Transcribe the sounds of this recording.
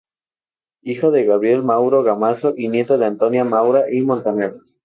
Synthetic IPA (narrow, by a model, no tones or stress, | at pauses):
ixoðeɣaβɾje̞lmawɾo̞ɣamasoʔinje̞t̪oðeant̪o̞njamawɾaʔimõ̞nt̪eneɾ